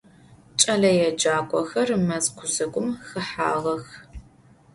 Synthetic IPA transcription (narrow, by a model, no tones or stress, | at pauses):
t͡ʃʼɐɮɐjɛd͡ʒaːkʷʼɔxɐrɨmɐzkʷʰʊzɐkʷʼʊmxɨħa̰ːʁɐx